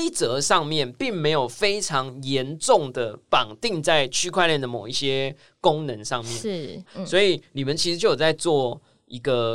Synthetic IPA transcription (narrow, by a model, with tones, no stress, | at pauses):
i˥˩t͡sɤ˨˧˦ʂɑ˥˧ŋmjɛ˥˨˩npi˥˩ŋme˧˥ɪjo˨˩ʊfe˥ɪʈ͡ʂʰɑ˧˦ŋjɛ˨˧˦nʈ͡ʂʊ˥˩ŋd̪ə˩pɑ˨˩ŋt̪i˥˧ŋt͡sa˥˩ɪt͡ɕʰy˥kʰwa˥˧ɪljɛ˥˩nd̪ə˩mo˨˩ʊi˥˩ɕjɛ˦ | kʊ˥˦ŋnə˧˦nʂɑ˥˨˧ŋmjɛ˥˨swɔ˧˥i˨˩ni˨˩mə˨˦nt͡ɕʰi˧˥ʂɻ̩˧˦t͡ɕjo˥˩jt͡sa˥˧ɪt͡swɔ˥˩ | i˦˥ɡə˧